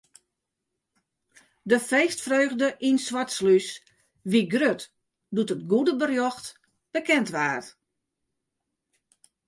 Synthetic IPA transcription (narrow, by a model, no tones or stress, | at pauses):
dəfeːstfrøːɣdəʔinswatslys | ʋiɡrøt | dutət̚ɡudəbərjɔxt | b̥əkɛntʋaːt